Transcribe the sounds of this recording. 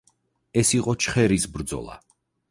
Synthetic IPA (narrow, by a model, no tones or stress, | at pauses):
ɛsiqʼɔt͡ʃʰχɛɾisbɾd̪zɔ̰lˠa̰